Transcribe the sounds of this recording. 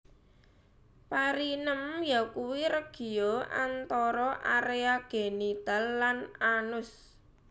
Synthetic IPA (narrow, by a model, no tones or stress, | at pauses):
paɾinəmjakuwiɾəɡ̥i̤oʔa̰nt̪ɔɾɔʔaɾeaɡ̥e̤nit̪alːananʊs